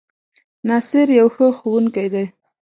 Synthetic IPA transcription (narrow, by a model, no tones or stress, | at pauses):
nɑsɪɾjawxəxowuŋkajd̪aj